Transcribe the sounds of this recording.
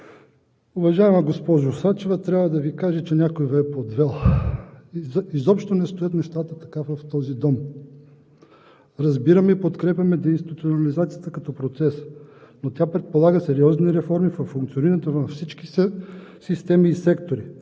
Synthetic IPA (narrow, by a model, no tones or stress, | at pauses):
ʊvɐʒaɛmɛɡospɔʒosat͡ʃɛvɐt̪ɾʲabvɐd̪ɐvikaʒɛt͡ʃɛnʲakojvɛɛpod̪vɛlˠ | izɔpʃt̪onɛst̪ojət̪nɛʃt̪at̪ət̪ɐkafvɐft̪ɔzid̪ɔm | ɾɐzbiɾɐmɛipot̪kɾɛpʲjʲɐmɛd̪ɐinsit̪ut̪sionɐlizat̪sijət̪əkɐt̪ɔpɾot̪sɛsnot̪ʲapɾɛt̪̚polˠaɡəsɛɾiɔzniɾɛfɔɾmifɐfːuŋkt̪sioniɾt̪ovɐfsit͡ʃkissist̪ɛmiːsɛkt̪oɾi